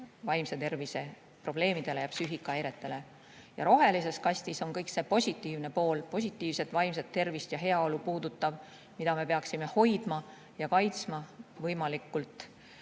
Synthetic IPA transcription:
vɑjmset̪e̞rvise̞ | pro̞b̥le̞ːmid̪̥e̞lejɑpsyɦikːˑɑejɾe̞t̪ːˑe̞le̞ | jɑ̰ɾo̞ɦe̞lise̞skɑsʲt̪iso̞ŋkɤjkse̞po̞sʲit̪ːˑiːvne̞po̞ːlpo̞s̬ʲit̪ˑːiːvse̞t̪ːˑvɑjms̬et̪ːe̞rvist̪jɑɦe̞ɑo̞lupuːd̪̥ut̪ːˑɑv | mid̪̥ɑme̞pe̞ɑksime̞ho̞jd̪̥mɑ | jɑkɑjt̪smɑvɤjmɑlikːˑult̪ːˑ

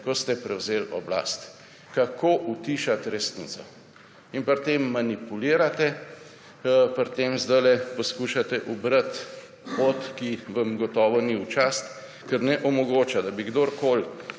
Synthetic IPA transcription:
kɔst̪ɛpɾɛwzeːlɔ̰bla̰st̪ | kakʰoːʔut̪iʃat̪ɾɛsnisɔ | inpɐɾt̪emːanipuliːɾat̪ɛ | pɾt̪eːmzd̪ajlɛpɔskuːʃat̪ɛʔubɾət̪ | ot̪kiʋɐmɡɔt̪ɔːʋɔniwt͡ʃast̪ | kɛɾnɛʔɔmɔɡoːt͡ʃad̪abiɡd̪oɾkoːl

